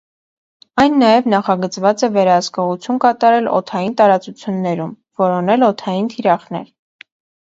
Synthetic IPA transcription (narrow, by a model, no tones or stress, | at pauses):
ɑjnːɑjɛvnɑχɑɡət͡svɑt͡sɛvɛɾɑhəskɔʁut͡sʰjunkɑt̪ɑɾɛlɔ̰t̪ʰɑjint̪ɑɾɑt͡sut͡sʰjunːɛɾum | vɔɾɔnɛlɔt̪ʰɑjint̪ʰiɾɑχnɛ̰ɾ